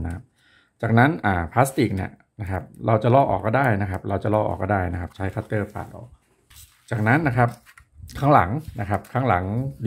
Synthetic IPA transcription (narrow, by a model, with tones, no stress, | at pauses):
kʰa˦˥p̚ | t͡ɕaː˨˩k̚na˦˥nʔaː˨˩pʰlaː˦˥st̪i˨˩k̚ni˥˩ɐ | na˦˥kʰa˦˥p̚ɾa˧wt͡ɕa˨˩lɔː˥˩ʔɔ̰ː˨˩kːɔː˥˩daː˥˩jna˦˥kʰa˦˥p̚ɾa˧wt͡ɕa˨˩lɔː˥˩ʔɔ̰ː˨˩k̚ːɔː˥˩daː˥˩jna˦˥kʰa˦˥p̚t͡ɕʰa˦˥jkʰaː˦˥t̪ːɤː˥˩pʰa̰ː˧˩t̪̚ʔɔ̰ː˨˩k̚ | t͡ɕaː˨˩k̚na˦˥nːa˦˥kʰa˦˥p̚ | kʰaː˦˥ŋla̰˩˦ŋna̰˦˥kʰa˦˥p̚kʰaː˦˥ŋla̰˩˦ŋ